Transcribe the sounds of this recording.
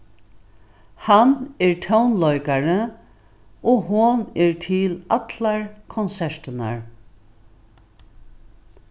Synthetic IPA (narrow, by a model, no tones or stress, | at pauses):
hanɛɹt̪ʰœwnlɔjkaɹə | ɔɦʊnɛɹt̪ʰɪlat̪laɹkʰɔnsɛʂt̪ɪna̰ɹ